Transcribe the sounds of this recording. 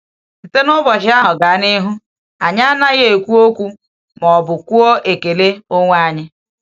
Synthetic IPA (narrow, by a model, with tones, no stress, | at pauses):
n̩˨te˦nʊ˦bɔ˨ʃɪ˦a˦ɦʊ˨ɡa˨˦ni˦ɦu˦ | a˨ɲ˦a˦na˦ɣe˨kʷu˦o˦kʷu˦ | mɔ˨bʊ˨kʷu˦ɔ˦ʔe˨ke˨le˦o˦ŋʷa˦ɲɪ˦